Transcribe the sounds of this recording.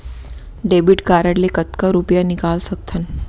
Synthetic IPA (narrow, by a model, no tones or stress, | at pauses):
ɖebiʈkaɾəɽlekət̪kaɾupjanikalsək̚t̪ʰən